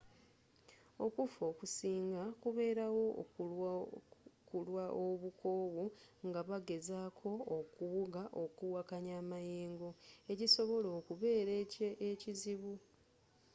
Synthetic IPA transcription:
o̞kufo̞ːkusiːŋɡakuβe̞ːɾawo̞ | kulwaʔoβukʰo̞ːβuŋɡaβaɡe̞zaːkʰo̞ːkuβuɡaʔo̞kuwakaɲaːmajeːŋɡo̞e̞ciso̞βo̞lo̞ːkuβe̞ːɾeeciziβu

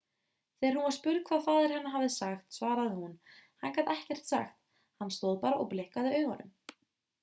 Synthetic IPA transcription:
θɛɾhunvḁspʏːɾkʰvaːðfaːðɪɾ̥hɛnːaɦavðɪsaxt̪svaːɾaðɪhunhankat̪ɛhcɛr̥t̪sa̰xt̪̚ | hanːst̪oːðpaːɾaɔɣplɪhkaðɪœːɥɣanʏ̰m

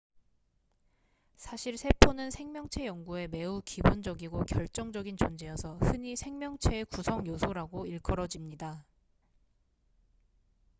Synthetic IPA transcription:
sʰaɕʰiɭsʰe̞pʰonɯnsʰe̞ŋmjʌŋt͡ɕʰe̞jʌŋɡue̞me̞ukibond͡ʑʌɡiɡokjʌɭt͡ɕ͈ʌŋd͡ʑʌɡint͡ɕʌnd͡ʑejʌsʰʌhɯɲisʰe̞ŋmjʌŋt͡ɕʰe̞ːkusʰʌŋjosʰoɾaɡoiɭk͈ʰʌɾʌd͡ʑimɲida

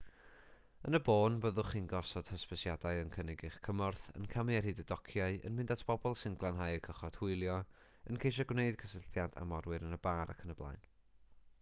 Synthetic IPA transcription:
ənəboːnvəðʊχiːnɡɔsɔd̥həspəsjadaɨənkʰənɪɡɨχkʰəmɔrθə̰nkʰamɨɛrhɨːdədɔkʰjaɨə̰nmɪ̃ndatʰb̥ɔbɔlˠsɪnɡlˠanɦaːjəkʰəχɔd̥hʊɨlˠjɔ | ənkʰejʃ̬ɔɡwneɨd̥kʰəsəɬtjada̰mɔrwɨɾənəbaːɾa̰kʰənəblˠa̰jn

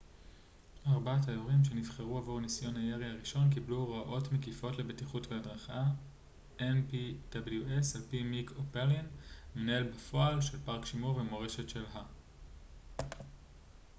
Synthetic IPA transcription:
aʁbatajoʁimʃe̞nivχeʁuavoʁnisjo̞nhajeʁiaʁiʃo̞nk̬ibluʁaʔo̞tmekifo̞tle̞be̞tiχutveadʁaχa | enpid̥abeljuʔesalpimikopelinmenaelbafo̞alʃe̞lpaʁkʃimuʁvemo̞ʁe̞ʃe̞tʃe̞lɦa

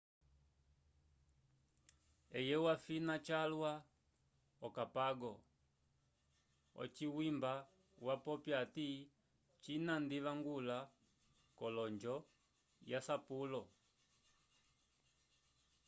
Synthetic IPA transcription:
ɛjɛwafinat͡ʃalwa | ɔkapaɡɔ | ɔ̰t͡ʃiwimba | wapɔpjati | t͡ʃinandiβaŋɡula | kɔlɔɲd͡ʒɔ | jasapulɔ

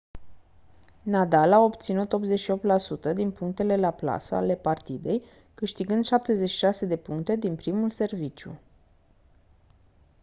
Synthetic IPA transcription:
nad̪alao̞pt̪sinut̪o̞pze̞t͡ʃʃio̞p̚t̪lasut̪əd̪inpuŋk̚t̪e̞le̞lapla̰səa̰le̞part̪id̪e̞j | kɨʃt̪iɡɨnd̪ʃap̚t̪e̞zeʃi̥ʃase̞d̪e̞puŋkt̪e̞d̪inpɾimulse̞rvit͡ʃjṵ

